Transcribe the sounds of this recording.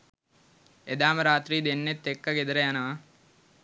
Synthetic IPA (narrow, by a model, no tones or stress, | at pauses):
ed̪aːmɐɾaːt̪ɾiːd̪enːet̪ːekːɐɡed̪ɐɾɐjɐnɐɐ